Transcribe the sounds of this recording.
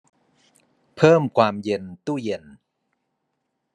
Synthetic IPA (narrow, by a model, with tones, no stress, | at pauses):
pʰɤː˥˩mkʰwaː˧mje˧nt̪uː˥˩je˧n